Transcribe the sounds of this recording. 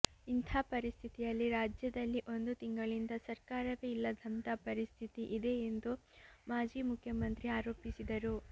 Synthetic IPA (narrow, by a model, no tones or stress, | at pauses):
int̪ʰaːpɐɾist̪ʰit̪ijɐlːiɾaːd͡ʒjɐd̪ɐlːiʔo̞nd̪ut̪iŋɡɐɭind̪ɐsɐɾkaːɾɐʋeːilːɐd̪ʱɐmt̪apɐɾist̪ʰit̪iʔid̪e̞end̪umaːd͡ʒiːmukʰjɐmɐnt̪ɾiaːɾoːpisid̪ɐɾu